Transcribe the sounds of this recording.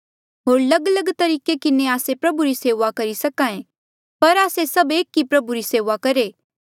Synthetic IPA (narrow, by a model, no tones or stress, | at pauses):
ɦoːɾlɐɡələɡt̪ɐɾiːkekɪneaːsepɾɐbuɾiseːʋakɐɾisɐkãːẽ | pɐɾaːsesɐbeːkːipɾɐbuɾiseːʋakɐɾeː